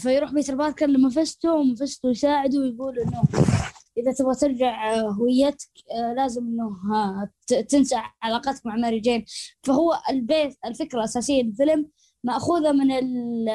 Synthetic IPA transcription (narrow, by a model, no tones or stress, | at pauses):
fajɾuːħbiːt̪ɾbɑːt̪ˤkanlamːafast̪umafast̪ujsaːʕɪd̪uwjɡuːlʔɪnːʊʔɪðat̪ɪbɣat̪ɪɾˤd͡ʒaʕɦʊwɪjːat̪ḁklaːzɪmʔɪnːʊ | t̪ɪnsaʕʕalaːqɑt̪akmaʕmaɾid͡ʒeːnfaɦʊwːaʔɪlbeːt̪ɪlfɪkɾaʔasaːsɪjːalɪlfɪlɪmː | aʔxuːðamɪnɪl